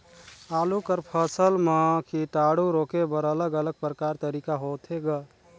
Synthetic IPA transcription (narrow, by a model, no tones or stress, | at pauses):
alukəɾpʰəsəlmãkʰiʈaɽuɾokebəɾələɡələɡ̚pɾəkaɾt̪əɾikaɦot̪ʰeɡə